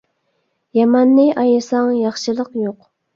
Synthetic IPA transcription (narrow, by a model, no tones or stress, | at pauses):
jɑmɑnːɨʔɑjɨsɑŋjɑχʃɨlˠəqjoq